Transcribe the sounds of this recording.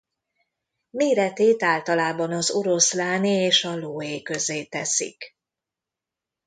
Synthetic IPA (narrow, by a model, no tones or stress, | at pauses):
meːɾɛt̪eːt̪aːlt̪ɒlaːbɒnɒzoɾo̞slaːnieːʃɒloːeːkø̞zeːt̪ɛsḭk